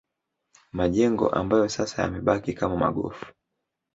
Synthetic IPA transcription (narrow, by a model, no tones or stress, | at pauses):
maʄɛŋɡɔ̰ʔa̰mbajɔsasaja̰mɛɓakikamama̰ɠɔ̰fu̥